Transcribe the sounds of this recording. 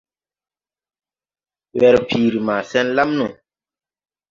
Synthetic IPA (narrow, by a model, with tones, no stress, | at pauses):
wɛ˨ɾpʰiː˨ɾi˨maː˨sɛ˦nla˦mnũ˨